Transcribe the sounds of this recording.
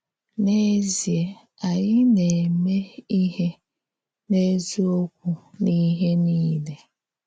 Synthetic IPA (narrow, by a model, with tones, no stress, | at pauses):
ne˦zi˨e˨ | a˨ɲɪ˦ne˨me˦i˦ɦe˦ | ne˦zu˦o˦kʷu˦ni˦ɦe˦niː˦le˨